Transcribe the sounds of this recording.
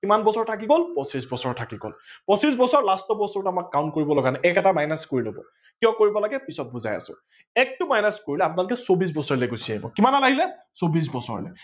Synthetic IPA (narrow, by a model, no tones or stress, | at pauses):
kimanbɔsɔɹtʰakiɡolpɔsisbɔsɔɹtʰakiɡo̰lpɔsisbɔsɔɹlastɔbɔsɔɹtamakːawnt̚koɹibɔlɔɡanaʔɛkɛtamajnaskoɹilobɔ̰ | kijɔ̃koɹibɔlaɡɛpisɔt̚buza̰ja̰sʊ̰̃ | ɛk̚tʊmajnaskoɹilɛapʊnalʊkɛsobis̬bɔsɔɹlɛɡosiaɦibɔ̰kimanalaɦilɛ | sobis̬bɔsɔ̰ɹ̰lɛ̰